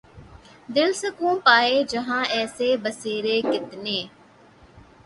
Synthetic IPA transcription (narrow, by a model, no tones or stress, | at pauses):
d̪ɪlsəkũːpaːeːd͡ʒəɦãːɛːseːbəseːɾeːkɪt̪neː